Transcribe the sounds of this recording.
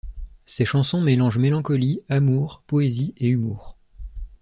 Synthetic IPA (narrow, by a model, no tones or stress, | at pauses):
sɛʃɑ̃sɔ̃melɑ̃ʒmelɑ̃kɔliamuːʁpɔezieymuːʁ